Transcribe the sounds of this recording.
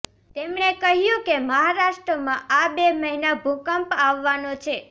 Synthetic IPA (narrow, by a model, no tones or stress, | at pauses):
t̪emɳekəɦjũkeməɦaɾaʃʈɾəmãʔabeməɦinabʱukəmpaʋːanot͡ʃʰe